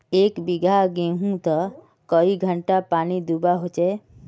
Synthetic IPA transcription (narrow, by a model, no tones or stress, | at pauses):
eːkbiɡʱaɡeɦũt̪ə | kəiɡʱəɳʈapaːnid̪ubaɦot͡ʃɛ